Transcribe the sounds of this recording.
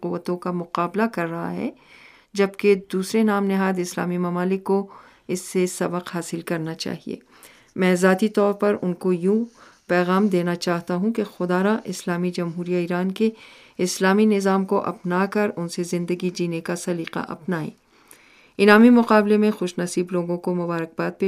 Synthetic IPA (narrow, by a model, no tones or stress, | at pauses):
qʊʋːət̪õkamʊqaːblakɐɾːɐɦa̰ɦɛ̰ | d͡ʒɐbked̪uːsɾenaːmnɪɦaːd̪ɪsla̰ːmimɐmaːlɪkːo | ɪsːesɐbəqɦaːsɪlkɐɾnat͡ʃa̰ːɦḭḛː | mɛ̃ːzaːt̪it̪ɔːɾpɐɾʊnkojũ | pɛːɣaːmd̪eːnat͡ʃaːɦt̪aɦũkexʊd̪aːɾaʔɪslaːmid͡ʒɐmɦuːɾijaiɾaːnke | ɪslaːminɪzaːmkoʔɐ̰pnakɐɾʊnsezɪ̃nd̪əɡid͡ʒiːnekasɐliːqa̰ʔɐ̰pnaːḭː | ɪnaːmimʊqaːblemẽxʊʃnɐsiːbloːɡõkomʊbaːɾək̚baːt̪̚pe